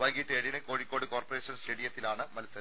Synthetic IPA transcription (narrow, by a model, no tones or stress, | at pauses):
ʋɐːjɡiʈːeːɾinɨko̞ːɻikʲːoːɽɨko̞ːrpɐre̞ːʂɐnst͡ɕeɽijɐt̪ːilaːɳɨmɐlsɐ